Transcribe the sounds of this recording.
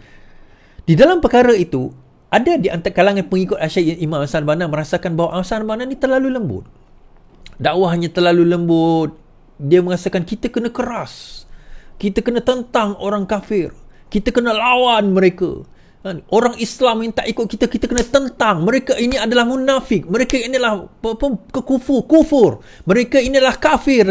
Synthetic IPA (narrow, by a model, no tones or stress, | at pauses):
didalampəkaɾait̪u | ʔadadiʔa̰nt̪akalaŋanpəŋikʊt̪̚aʃaimãmasanbanamə̃ɾasakanbaɦwaʔasanbananit̪ərlaluləmbʊ̰t̪̚ | daʔwaɦaɲat̪ərlaluləmbʊt̪̚ | diəmə̃ŋasakankit̪akənãkəɾas | kit̪əkənət̪ənt̪aŋoɾaŋkafɪrkit̪əkənəlawanməɾeka̰ | aʔoɾaŋislamint̪aʔikʊt̪̚kit̪akit̪akənãt̪ənt̪aŋməɾekaʔiniadalahmunafɪk̚məɾekainilahppənkəkufʊrkufʊr | məɾekainilahkafɪr